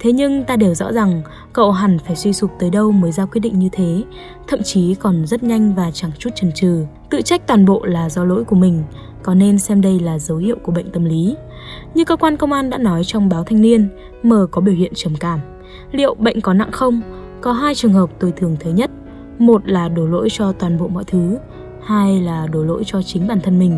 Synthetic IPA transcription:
t̪ʰe˨˦ɲɨ˧ŋt̪aː˧ɗe˨˩wzɔ̰˧˥za˨˩ŋ | kə̰˧˨wɦa˨˩nfaː˧˩jswi˧sʊ˨˩k͡p̚t̪əː˨˦jɗə˧wməː˨˦jzaː˧wkwi˦˥t̚ɗḭ˧˨ŋ̟ɲɨ˧t̪ʰe˨˦ | t̪ʰə̰˧˨mt͡ɕi˨˦kɔ˨˩nzə˦˥t̚ɲa˧jŋ̟vaː˨˩t͡ɕa˨˩ŋt͡ɕu˦˥t̚t͡ɕə˨˩nt͡ɕɨ˨˩t̪ɨ̰˧˨t͡ɕa˦˥k̚t̪waː˨˩nɓo̰˧˨laː˨˩zɔ˧lo̰˧˥jku˧˩mï˨˩ŋ̟ | kɔ˨˦ne˧nsɛ˧mɗə˧jlaː˨˩zə˨˦whḭ˧˨əwku˧˩ɓə̰˧˨jŋ̟t̪ə˧˩mli˨˦ | ɲɨ˧ŋkəː˧kwaː˧nkə˧wŋ͡mʔaː˧nɗa̰ː˧˥nɔ˨˦jt͡ɕɔ˧wŋ͡mɓaː˨˦wt̪ʰa˧jŋ̟ni˧ən | məː˨˩kɔ˨˦ɓi˧˩əwhḭ˧˨ənt͡ɕə˨˩mkaː˧˩m | lḭ˧˨əwɓə̰˧˨jŋ̟kɔ˨˦na̰˧˨ŋxə˧wŋ͡m | kɔ˨˦ɦaː˧jt͡ɕɨ˨˩əŋɦəː˨˩p̚t̪o˧˩jt̪ʰɨ˨˩əŋt̪ʰəː˨˦jɲə˦˥t̚ | mo˨˩t̚laː˨˩ɗo˨˩lo̰˧˥jt͡ɕɔ˧t̪waː˨˩nɓo̰˧˨mɔ̰˧˨jt̪ʰɨ˨˦ | haː˧jlaː˨˩ɗo˨˧˩lo̰˧˥jt͡ɕɔ˧t͡ɕï˨˦ŋ̟ɓaː˨˩nt̪ʰə˧nmï˨˩ŋ̟

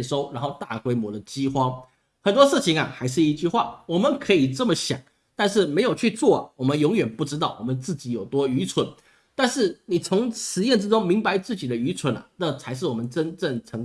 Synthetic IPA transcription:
ʂo˥ʊɻa˧˥nxo˥˧ʊt̪a̰˥˩kwe˥ɪmwɔ˧˥d̪ə˨t͡ɕi˥xwɑ˥ŋ | xə˨˩nt̪wɔ˥ʂɻ̩˥˩t͡ɕʰi˧˥ŋɐ̰˨xa˧˥ɪʂ̬ɻ̩˥˩i˧t͡ɕy˥˧xwa̰˥˩wɔ˨˩mə˨˦nkʰɤ˧˥i˨˩ʈ͡ʂə˥˩mə˨˦ɕjɑ̰˨˩˦ŋ | t̪a˥˧nʂ̬ɻ̩˥˩me˧˥ɪjo˨˩ʊt͡ɕʰy˥˧t͡swɔ˥˩ɐ̰˨˩wɔ˨˩mə˦njʊ˧˥ŋɥɛ˨˩npu˥˩ʈ͡ʂɻ̩˥t̪ɑ˥˩ʊwɔ˨˩mə˦nt͡sɹ̩˥˩t͡ɕi˧˥jo˨˩ʊt̪wɔ˥y˧˥t͡sʰwə˧˦n | t̪a˥˧nʂɻ̩˥˩ni˨˩t͡sʰʊ˧˥ŋʂɻ̩˧˥jɛ˥˩nʈ͡ʂɻ̩˥ʈ͡ʂʊ˥ŋmi˧˥ŋpa˧ɪt͡sɹ̩˥˩t͡ɕi˨˩d̪ə˦y˧˥t͡sʰwə˧˥nɐ̰˨nə˥˩t͡sʰa˧˥ɪʂ̬ɻ̩˥˩wɔ˨˩mə˦nʈ͡ʂə˥nʈ͡ʂə˥˩ŋt͡sʰɤ˧˥

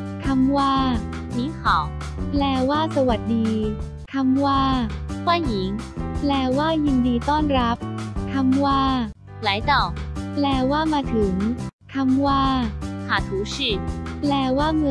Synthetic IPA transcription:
t̪ʰa˧mwaː˥˩ | niː˨˦˥ŋkʰɔː˨˩˦ | lɛː˧waː˥˩sa˧wa˨˩t̪̚diː˧ | t̪ʰa˧mwaː˥˩waː˥˩ji˩˦ŋplɛː˧waː˥˩ji˧ndiː˧t̪ɔː˥˩nɾa˦˥p̚t̪ʰa˧mwaː˥˩ | la˨˩˦jt̪ɔ˨˩plɛː˧waː˥˩maː˧t̪ʰɯ˩˦ŋt̪ʰa˧mwaː˥˩haː˨˩t̪ʰuː˨˦si˧˩plɛː˧waː˥˩mɯ˧

